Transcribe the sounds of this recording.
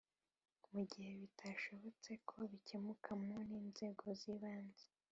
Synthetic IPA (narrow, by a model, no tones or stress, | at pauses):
muɟihe̞βitʰaʃo̞βo̞t͡se̞kʰo̞βicemukʰamŋoniːnze̞ːɡo̞ziβaːnze